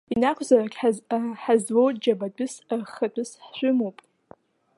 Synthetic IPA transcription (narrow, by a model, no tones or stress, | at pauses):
inakʷʰzarakʲʼħħazwowtʼd͡ʒabat͡pʷʼʊsrχət͡pʷʼʊsħʃʷʊmowpʼ